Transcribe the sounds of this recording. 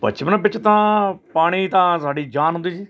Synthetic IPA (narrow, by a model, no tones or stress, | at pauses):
bə̰t͡ʃmənpɪt͡ʃt̪ãːpaːɽ̃iːt̪ãːsaːɖiːd͡ʒaːnɦʊ̃nd̪iːd͡ʒiː